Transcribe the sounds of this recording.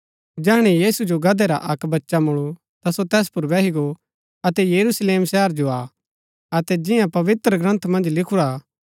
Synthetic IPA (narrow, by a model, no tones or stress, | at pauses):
d͡ʒɛːɦɽ̃ijiːsud͡ʒoɡɐd̪eɾa̰ʔɐkbɐtːʃamʊɭu | t̪asot̪ɛːspʊɾʋɛːɦiɡo | ɐt̪ɛjɐɾusleːmsɛːəɾd͡ʒoa | ɐt̪ɛd͡ʒɪ̃jãpɐʋɪt̪ɾəɡɾɐ̃nt̪ʰmɐ̃nd͡ʒlɪkʰuɾaː